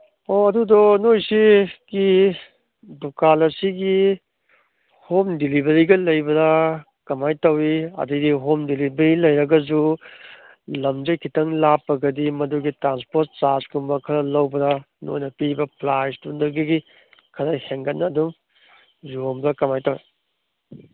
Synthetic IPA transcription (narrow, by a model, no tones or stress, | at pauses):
oɐdudɔnojsiɡ̥i | dukalɐsiɡi | homdilibɐɾiɡɐlɐjbɐɾɐ | kɐmajtɐwiɐ̰didiɦomdilibeɾilɐjɾɐɡɐzu | lɐmd͡ʒɐjkʰitɐŋlapːɐɡɐdimɐduɡitɾanspoɾt̚t͡ʃaskumbɐkʰɐɾɐlɐwbɐdɐ | no̰jnɐpibɐplajstundɐɡiɡi | kʰɐɾajheŋɡɐtnːɐːdum | zombɾɐkɐmajtɐwḛ